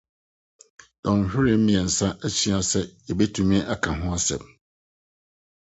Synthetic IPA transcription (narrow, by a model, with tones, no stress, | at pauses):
dɔ̃˨n˨hᶣɪ˦ɾɪ˦mĩ˨ɛ˨n̩˨sã˦ʔæ˦t͡ɕʰi˦a˨sɛ˦jɛ˨be˦tʰũ˨mĩ˦ʔa˨kʰã˨ɦʊ̃˦a˦sɛ̰˨m̚